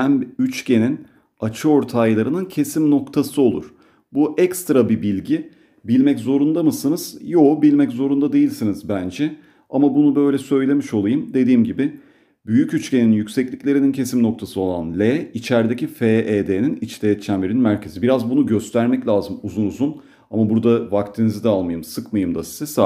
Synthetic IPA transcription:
ænyt͡ʃcʰe̞nin | at͡ʃʰɯo̞ɾt̪ʰajlˠaɾɯnɯncʰe̞simno̞kt̪ʰasɯo̞lˠṵɾ̥ | buʔɛcst̪ɾabibilʲɟi | bilʲmɛczo̞ɾund̪amɯsɯnɯz̥jo̞bilʲmɛczo̞ɾund̪ad̪e̞jilʲsinɯzbænd͡ʒɛ | amabunubø̞jlʲɛsø̞jlʲe̞miʃo̞lˠajɯmd̪e̞d̪iːmɟibɪ | byjycyt͡ʃceninjycʲsɛclʲiclʲe̞ɾinincʰe̞simno̞k̚t̪ʰasɯo̞lˠanlʲɛit͡ʃʰæɾd̪e̞cʰifeʔed̪eːninit͡ʃt̪ɛjet̪ʃænbiɾinmæɾcʰe̞zibiɾazbunuɟø̞st̪ʰæɾmɛclʲaːzɯmuzunuzun | amabuɾd̪avakt̪ʰinizid̪ɛalˠmajɯmsɯkmajɯmd̪asi̥z̥ɛsa

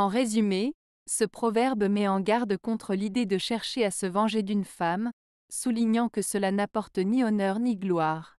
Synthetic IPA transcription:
ɑ̃ʁezyme | səpχɔvɛʁbmɛɑ̃ɡaʁd̪kɔ̃t̪χəlid̪ed̪əʃɛʁʃeasəvɑ̃ʒed̪ynfam | suliɲɑ̃kəsəlanapɔʁt̪niɔnœʁniɡlwaːʁ

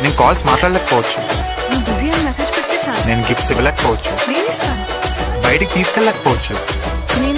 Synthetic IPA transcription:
neːnukaːlsmaːʈlaːɽlɐːkɐ̥pɔːʋɐt͡ʃːu | niːbʱiʋiɐnmɛseːd͡ʒpɛʈk̪et͡ʃːaneːnuɡipsɐbɐlɐːkɐpɔːʋɐt͡ʃːuneːnist̪aːn | bɐjɐʈɐkit̪iːskɛlːɐːkɐ̥pɔːʋɐt͡ʃːu | ne

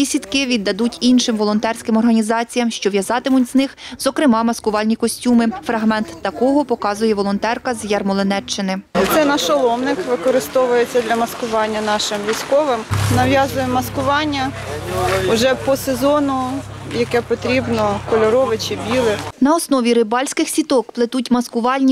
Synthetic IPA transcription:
isʲit̪kɪʋʲid̪ːɐd̪utʲinʃɪmʋɔlˠɔnt̪ɛrsʲkɪmɔrɦɐnʲizɑt͡sʲijɐmʃt͡ʃɔʋʲjɐzɑt̪ɪmʊtʲz̥nɪxz̥ɔkɾɪmɑmɐskʊʋɑlʲnʲikɔsʲtʲumɪfɾɐɦmɛnt̪ːɐkɔɦɔpɔkɑzʊjɛʋɔlˠɔnt̪ɛrkɐzjɐrmɔlˠenɛt͡ʃːɪnɪt̪sɛnɐʃɐlˠɔmnɪkʋɪkɔɾɪst̪ɔʋʊjet͡sʲːɐd̪lʲɐmɐskʊʋɑnʲːɐnɑʃɪmʋʲijsʲkɔʋɪmnɐʋʲjɑzʊjɛmɐskʊʋɑnʲːɐ | ʊʒɛpɔsezɔnʊ | jɐkɛpɔt̪ɾʲibnɔkɔlʲɔɾɔʋɪt͡ʃɪbʲilˠɪnɐɔsnɔʋʲiɾɪbɑlʲsʲkɪxsʲit̪ɔkplˠɪt̪utʲmɐskʊʋɑlʲnʲi

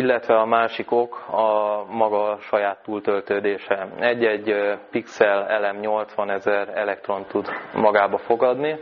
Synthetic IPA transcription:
ilːɛt̪ʋɛɒmaːʃiko̞kɒmɒɡɒʃɒjaːt̪ːuːlt̪ølt̪øːd̪eːʃɛɛɟːɛɟpiksɛlːɛlɛmɲo̞lt̪sʋɒnɛzɛrɛlɛk̚t̪ro̞nt̪ːud̪mɒɡaːbɒfo̞ɡɒd̪ni

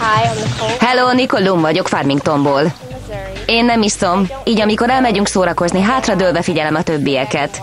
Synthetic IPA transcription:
hɛloːnikolumvɒɟo̞kfɒrmiŋk̚t̪o̞mboːl | eːnːɛmiso̞miːɟɒmiko̞ɾɛlmɛɟyŋksoːɾɒko̞zniɦaːt̪rɒd̪øːlvɛfiɟɛlɛmɒt̪ø̞bːijɛkɛt̪

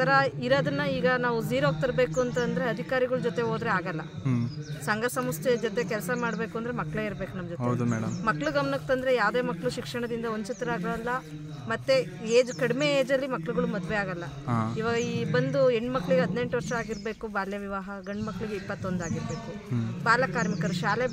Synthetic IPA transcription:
t̪ɐɾɐiɾoːd̪ɐnːɐiːɡɐnaːʋuziːɾoːɡ̚t̪ɐɾbe̞ːkuɐnt̪ɐnd̪ɐɾeɐd̪ʱikaːɾiɡɐɭud͡ʒɔt̪e̞o̞ːd̪ɾeaːɡɐlːɐ | sɐŋɡɐsɐmɐst̪ʰed͡ʒɔt̪ekɛlɐsɐmaːɽbe̞ːkuɐnd̪ɐɾemɐkːɭeːiɾbe̞ːkunɐmːɐd͡ʒoɦ̪wd̪umɛ̰ːɽɐ̰mmɐkːɐɭuɡɐmɐnɐkt̪ɐnd̪ɾe̞jaːʋd̪e̞ːmɐkːɐɭuʃikʂɐɳɐd̪ind̪ɐoɲt͡ʃit̪ɾɐaːɡɾɐɐlːɐ | mɐt̪ːe | eːd͡ʒukɐɽime̞eːd͡ʒɐlːimɐkːɐɭuɡɐɭumɐd̪ʋeaːɡɐlːɐaiʋaːɡibɐnd̪ue̞ɳɖmɐkːɭiɡeɦɐd̪ne̞ɳʈʋɐɾʂɐaːɡiɾbe̞ːkubaːljɐʋiʋaːɦɐɡɐɳɖmɐkːɐɭiɡeipːɐt̪ːond̪uaːɡiɾbeːku | baːlɐkaːɾmikɐɾuʃaːle

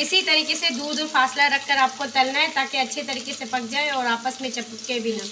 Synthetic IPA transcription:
ɪsit̪ɐɾiːkesed̪uːd̪ɔːɾfaːslaɾɐkʰːəɾaːp̚kot̪ɐlnaɦɛt̪aːkeɐtːʃʰet̪ɐɾiːkesepɐk̚ʰd͡ʒaːeɔːɾaːpəsmẽt͡ʃɐpkːebʱinẽː

